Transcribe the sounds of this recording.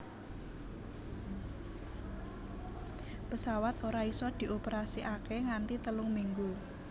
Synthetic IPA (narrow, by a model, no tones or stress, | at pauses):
pəsawat̪oɾaisɔd̪̥i̤ʔopəɾasiʔakeŋant̪it̪əlʊŋmiŋɡu